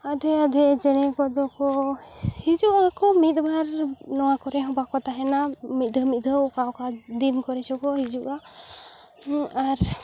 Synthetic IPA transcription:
ad̪ʱɛad̪ʱɛd͡ʒɛɽ̃ɛkɔd̪ɔkɔhid͡ʒuʔakɔmit̪̚baɾnɔwakɔɾɛɦɔbakɔt̪aɦɛnamit̪̚d̪ʱəmit̪̚ˀd̪ʱəkaɔkad̪imkɔɾɛsɔkɔhid͡ʒuʔa | aɾ

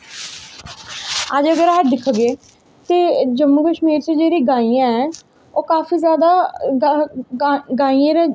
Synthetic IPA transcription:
əd͡ʒəɡəɾɦəʈ̚d̪ɪkʰːaɡeː | t̪eːd͡ʒəmːuːkəʃmiːɾt͡ʃẽːd͡ʒeːɾiːɡaːijãːɛː | oːkaːfiːzjaːd̪aː | ɡaːijãːɾẽː

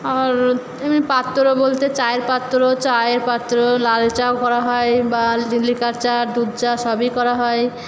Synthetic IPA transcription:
aɾ | emipat̪ːoɾobolt̪et͡ɕajeɾpat̪ːoɾot͡ɕajeɾpat̪ːɾolalt͡ʃaokɔɾaɦɔebalilikaɾt͡ɕad̪ud̪d͡ʒaʃɔbikɔɾaɦɔe

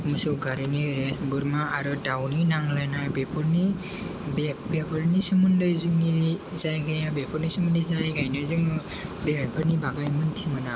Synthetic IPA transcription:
mɯsɯɡaɾiniɾesbɯɾmaːɾɯdawninaŋlajnabepʰɯɾni | bbepʰɯɾnisɯmɯndɯjzɯŋni | zajɡajabepʰɔɾnisɯmɯndizajɡajnɯzɯŋbepʰɯɾnibaɡajmɯnt̪ʰimɯna

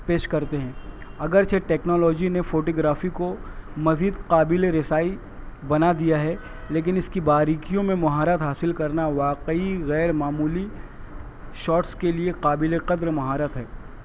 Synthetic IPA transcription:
peːʃkɐɾt̪eɦɛ̃ːɐɡəɾt͡ʃʰeʈɛːknɔːlɔːd͡ʒinefoːʈoːɡɾaːfikomɐziːd̪qaːbɪleɾɪsaːi | bɐnad̪ijaɦɛ | leːk̬ɪnɪskibaːɾiːkijõmẽmɐɦaːɾət̪ɦaːsɪlkɐɾnaʋaːqəiɣɛːɾmaːmuːli | ʃɔːʈskelieqaːbɪleqɐd̪ɾmɐɦaːɾət̪ɦɛː

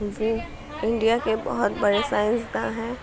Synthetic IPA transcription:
d͡ʒoː | ɪ̃ɳɖijakebə̰ɦʊt̪bəɾesaːɪ̃nsd̪aɦɛ̃ː

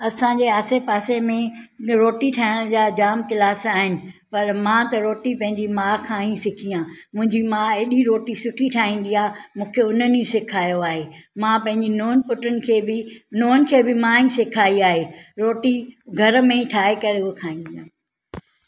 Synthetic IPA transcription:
ɐsãd͡ʑeːaːsepaːsemẽɾoːʈiʈʰaːɪɽ̃d͡ʑaːd͡ʑaːmkɪlaːsaːɦɪnɪ̆pɐɾmãːt̪ɐɾoːʈipɐ̃ɦɪ̃ɲd͡ʑimaːkʰãːĩsɪkʰijãːmʊ̃ɦɪ̃ɲd͡ʑimãːeɗiɾoːʈisʊʈʰiʈʰaːĩːn̆d̪iaːmũːkʰeʊnənĩsɪkʰaːjoaːɦeːmãpɐ̃ɦɪ̃ɲd͡ʑinoːnpʊʈənɪ̆kʰeːbɪnoːnɪ̆kʰeːbɪmaːĩsɪkʰaːiaːɦeːɾoːʈiɡʱɐɾmẽiʈʰaːɦekɐɾeʊkʰaːĩːn̆d̪ijãː

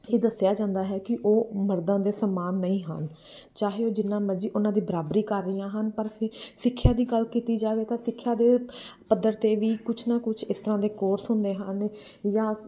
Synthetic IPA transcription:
eːd̪əsjaːd͡ʒãːnd̪aːɦɛːkɪʔoːməɾd̪ãːd̪eːsəmaːnːəĩːɦə̰n | t͡ʃaːɦeːoːd͡ʒɪnːãːməɾd͡ʒiːʔʊnãːd̪iːbəɾaːbɾiːkəɾːəjãːɦənpəɾpʰɪɾsɪkʰːjaːd̪iːɡəlkiːt̪iːd͡ʒaːʋeːt̪ãːsɪkʰːjaːd̪eːpəd̪ːəɾt̪eːʋiːkʊt͡ʃʰnãːkʊt͡ʃʰɪst̪əɾãːd̪eːkoːɾsɦʊnd̪eːɦən | jãː

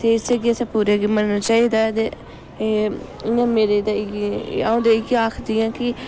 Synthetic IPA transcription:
t̪eːɪseɡiəsãːpuːɾeɡiːmənnaːt͡ʃaːiːd̪aːt̪e | ɪjãːmeːɾeːd̪aaõːd̪eːɪɡaːkʰd̪ɪãːkɪ

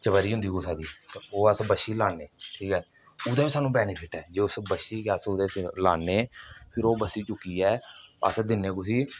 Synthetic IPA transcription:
t͡ʃəbəɾiːɦʊ̃nd̪iːkoːsaːd̪iːt̪eoːəsbəʃiːlaːneːʈʰiːkɛː | ʊd̪eːbiːsaːnũːbɛːniːpʰɪʈɛːd͡ʒeːʊsbəʃiːkaːsʊd̪eːlaːneːpʰɪɾoːbəsiːt͡ʃʊkːiːɛːə̰sd̪ɪnːeːk̬ʊs̬iː

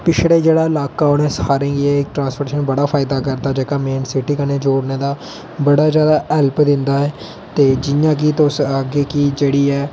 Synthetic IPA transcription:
pɪt͡ʃʰɽeːd͡ʒeːɽaːɪlaːkaːʊnɛ̃ːshaːɾẽːɡiɛːɪk̚ʈɾãːnspoɾeːʃənbəɽaːpʰaːɪd̪aːkəɾd̪aːd͡ʒəkaːmeːnsɪʈiːkəneːd͡ʒoːɽneːd̪aː | bəɽaːzjaːd̪aːɛlpd̪ɪnd̪aːɛː | t̪eːd͡ʒɪjãːk̬iːt̪ʊsəɡeːkid͡ʒeːɽiːɛː

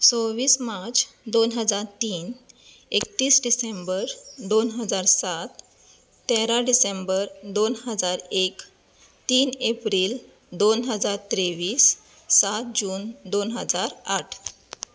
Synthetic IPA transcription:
soʋiːsmaɾt͡s | d̪onɦəd͡zaɾt̪iːn | ek̚t̪iːsɖisembəɾd̪onɦəd͡zaɾsat̪ | t̪ːeɾaɖisembəɾd̪onɦəd͡zaɾek | t̪iːnepɾiːl | d̪onɦəd͡zaɾt̪ɾeʋiːsː | at̪̚d͡ʑuːnd̪onɦəd͡zaɾaʈʰ

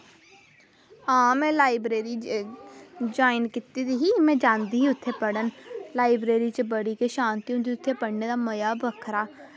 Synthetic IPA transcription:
aːmẽlaːɪbɾeːɾi | d͡ʒaːɪnkɪt̪ːid̪iɦimẽd͡ʒãːnd̪iɦiʊt̪ʰːepɐɽənlaːɪbɾeːɾit͡ʃebəɽikeʃãːnt̪iʊ̃nd̪iʊt̪ʰːepɐɽned̪amɐjabʱəkʰɾaː

